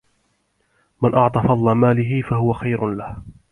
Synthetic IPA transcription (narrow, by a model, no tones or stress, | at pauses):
manʔɑʕt̪ˤɑːfɑd̪ˤlɑmaːlɪɦɪfahʊwaxajɾʊlah